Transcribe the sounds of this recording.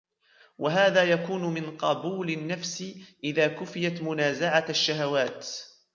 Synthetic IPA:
waɦaːðaːjakuːnʊmɪnqɑbuːlɪnːafsɪʔɪðaːkʊfɪjat̪mʊnaːzaʕaaʃːaɦawaːt̪

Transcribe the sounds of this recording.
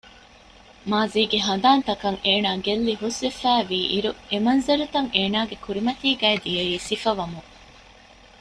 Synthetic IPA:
maːziːɡeɦɐnd̪aːnt̪ɐkɐŋeːnaːɡelːiɦusʋefæːʋiːʔiɾuemɐnzɐɾut̪ɐŋeːnaːɡekuɾimɐt̪iːɡæed̪ijeiːsifɐʋɐmu

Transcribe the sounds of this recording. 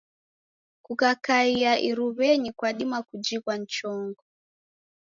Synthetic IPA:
kukakaiaʔiɾuβɛɲikwaɗimakud͡ʒikwant͡ʃɔŋɡɔ

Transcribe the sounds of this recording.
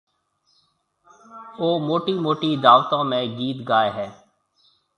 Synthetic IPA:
oːmoːʈiːmoːʈiːd̪aːʋt̪ãːmẽːɡiːt̪ɡaːeːɦɛː

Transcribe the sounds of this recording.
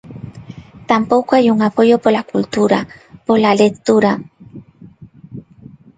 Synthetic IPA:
t̪ampokʷajuŋapojopolakult̪uɾapolalekt̪uɾa

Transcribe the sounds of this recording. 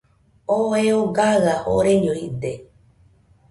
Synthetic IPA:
oeoɡaɣao̰ɾeɲoid̪e

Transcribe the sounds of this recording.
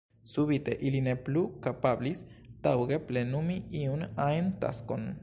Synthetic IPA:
suβit̪eʔilineplukapablis | t̪awɡeplenumiiunajnt̪a̰skon

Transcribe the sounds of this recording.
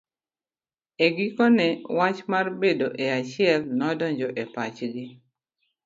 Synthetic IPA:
eɡikɔnɛwat͡ʃmarbedoʔeat͡ʃɪɛlnɔdɔɲd͡ʒɔʔepat͡ʃɡɪ

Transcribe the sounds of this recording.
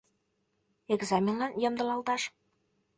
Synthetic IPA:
eɡzɑmʲenlɑnjɤ̆md̪ɤ̆lˠɑlˠt̪ɑʃ

